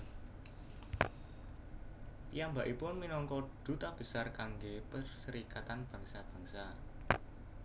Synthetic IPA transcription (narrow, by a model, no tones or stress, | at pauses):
pijambaʔipʊnminɔŋkɔɖ̪̥ṳt̪ab̥ə̤sarkaŋɡepərsəɾikat̪anb̥ä̤ŋsab̥ä̤ŋsa